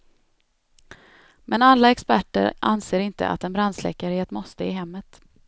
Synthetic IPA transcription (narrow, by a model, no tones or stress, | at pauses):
mɛnalːaɛkspæʈːə̰ɾʔa̰nseːɾɪnt̪ə̰ʔa̰t̪ɛnbɾand̪slɛ̰ːkaɾheːt̪mɔst̪əɪɦɛmːət̪